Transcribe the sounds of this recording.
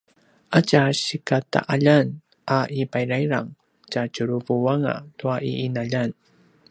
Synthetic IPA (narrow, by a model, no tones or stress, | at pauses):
ʔacaɕikata̰ʔaʎan | ʔaʔipajɾajɾa̰ŋ | t͡ʃacuɾuvuwaŋa̰tuaʔiʔːnaʎan